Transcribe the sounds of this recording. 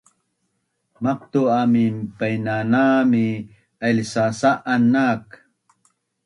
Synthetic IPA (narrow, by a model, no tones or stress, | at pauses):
mɐq̚t̪uamimpajnanami | alsasaʔanːak